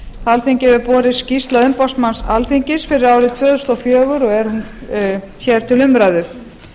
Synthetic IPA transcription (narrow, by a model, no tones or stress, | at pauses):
alθiɲcɛvɪpɔːɾɪscist̪laʏmpɔsmansalθiɲcɪsfɪɾɪɾaːwɾɪt̪ʰvœːðʏst̪ɔfjœːɣʏɾɔɣɛɾ̥hun | çɛɾ̥t̪ʰɪlʏmɾajðʏ